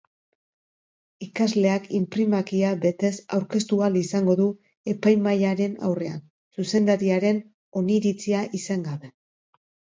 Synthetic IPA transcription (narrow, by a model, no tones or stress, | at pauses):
ikazle̞akimpɾimakiabe̞t̪e̞sa̰wɾke̞st̪ualisaŋɡo̞ðu | e̞pajmajaɾe̞na̰wre̞a̰n | suse̞nd̪aɾiaɾe̞n | o̞niɾit͡siaʔisaŋɡaβe̞